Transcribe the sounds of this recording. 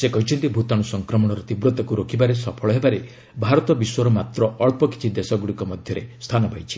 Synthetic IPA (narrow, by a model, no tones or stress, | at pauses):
sekɔɦit͡ʃʰɔnt̪ibʱut̪ɔɽ̃usɔŋkɾɔmɔɽ̃ɔɾɔt̪ibɾot̪ɔkuɾokʰibaɾesɔpʰɔɭɔɦebaɾe | bʱaɾɔt̪ɔbiswɔɾɔmat̪ɾɔɔɭpɔki̥t͡ʃʰid̪esɔɡuɽikɔmɔd̪ʱjɔɾest̪ʰanɔbʱajt͡ʃʰi̥